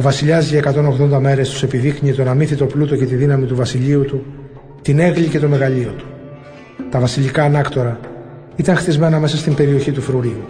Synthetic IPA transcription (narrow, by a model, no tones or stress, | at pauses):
vɐsiʎɐzie̞kɐt̪o̞no̞ɣðo̞nd̪ɐme̞ɾe̞st̪u̥se̞piðikɲiet̪o̞nɐminθit̪o̞plut̪o̞ce̞t̪iðinɐmit̪uvɐsiʎiut̪u | t̪ine̞ɣlice̞t̪o̞me̞ɣɐʎio̞t̪u̥ | t̪ɐvɐsiʎikɐːnɐkt̪o̞ɾɐ | it̪ɐŋxt̪izme̞nɐme̞sɐst̪imbe̞ɾio̞çit̪ufɾuɾiu